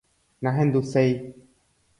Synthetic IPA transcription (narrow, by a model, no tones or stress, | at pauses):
nãɦẽnd̪usej